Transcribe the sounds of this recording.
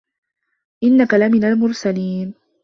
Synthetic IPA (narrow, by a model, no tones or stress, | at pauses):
ʔɪnːakalamɪnalmʊɾsaliːn